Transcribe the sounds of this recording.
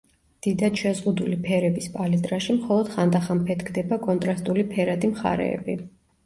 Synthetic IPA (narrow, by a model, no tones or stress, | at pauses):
d̪̥id̪ad̪̥ʃɛzʁud̪ulipʰɛɾɛbispʼalizʼɾaʃimχɔlˠɔd̪̥χand̪aχampʰɛt̪ɡd̪ɛbakʼɔnt̪ʼɾast̪ʼulipʰɛɾad̪ʼimχa̰ɾɛ̰ːbi